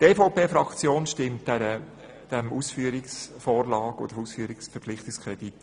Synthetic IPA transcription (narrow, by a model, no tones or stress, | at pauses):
teːfoʊpeːfɾɑkt͡sjoːnʃtɪmtɛɾə | d̥ɛmuːsfyːɾɪksfoːɾlɑːko̰d̥əɾusfyːɾɪksfɛɾpflɪχtɪkskʰʁɛd̥it